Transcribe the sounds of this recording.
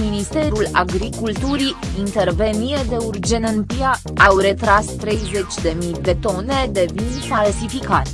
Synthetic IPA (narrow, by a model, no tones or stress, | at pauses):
minist̪e̞ɾula̰ɡɾikult̪uɾiint̪e̞rve̞nie̞d̪e̞urd͡ʒe̞nənp̪ia | awɾe̞t̪ɾast̪ɾe̞jze̞t͡ʃʲd̪e̞mid̪e̞t̪o̞ne̞d̪e̞vinfalsifikat̪